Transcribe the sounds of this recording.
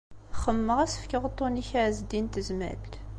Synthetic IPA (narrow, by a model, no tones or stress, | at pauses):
χəmːəʁæsə̥fkəʁət̪ˤːoniçaʕzd̪int̪əzmæ̰l